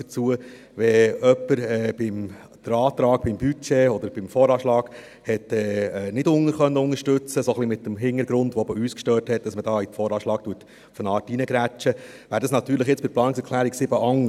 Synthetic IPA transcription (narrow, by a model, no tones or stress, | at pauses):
ət͡suə | ʋɛœpːəɾɛːb̥ɪm | d̥əɾɑːt̪ɾɑːk̚b̥ɪmbyt͡ʃeɔd̥̪əɾb̥ɪmfɔːɾɑːʃlɑːɡ̥ | hɛtɛːɛːnɪdʊŋəɾχœnːəʊŋəɾʃtʉt͡səsoχlimɪtːəmɦɪŋəɾɡɾʊndʋoɛbəyːskʃtœːthɛt̚d̥ɑsmədɑːitfɔːɾɑːʃlɑːk̚tuːət | ufənɑːtinəɡɾæt͡ʃə | ʋæːɾdɑsnɑt̪ːyːɾləχjɪt͡spɪɾplɑːnɪksɛɾkʰlæːɾiksɪbəʔɑŋ